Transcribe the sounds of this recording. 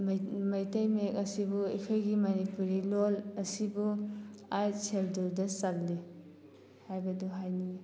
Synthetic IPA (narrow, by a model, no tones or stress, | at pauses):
mmɐjtɐjmek̚ɐsibuḭkʰojɡimɐnipuɾilolɐsibuajselduɾdɐsak̚li | hajbɐduɦajni